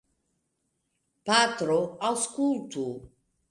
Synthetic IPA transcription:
pat̪ɾɔaskult̪ʰu

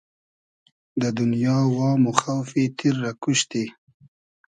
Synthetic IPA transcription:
d̪əd̪ʊnjɑwɑmoxawfet̪ʰiɾːakʊʃt̪e

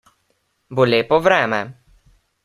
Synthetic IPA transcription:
bolʲeːpɔvɾɛːmɛ

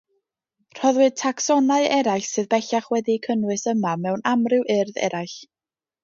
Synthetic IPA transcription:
r̥ɔðwɨ̥tʰaksɔnaɨɛɾajɬsɨðbɛɬaχwɛdikʰənwɨsəmamɛwnamrɪwʔɪrðɛ̰ɾajɬ

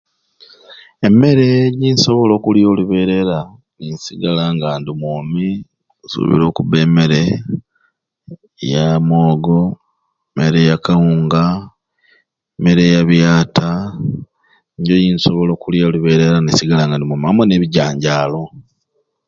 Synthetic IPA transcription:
eme̞ɾe̞jinso̞βo̞lo̞ːkuljo̞ːluβe̞ɾe̞ɾa | ninsiɡalaːŋɡaːndimomi | usṵβḭɾo̞ːkuβe̞ːme̞ɾe̞ | jamoːɡo̞ | emeɾe̞jakauːŋɡa | eme̞ɾe̞jaβjaːtʰa | ɲɟojinsoβo̞lo̞ːkuljoːluβe̞ɾe̞ɾanisiɡalaːŋɡandimumiamoneβiɟaːɲɟaːlo̞

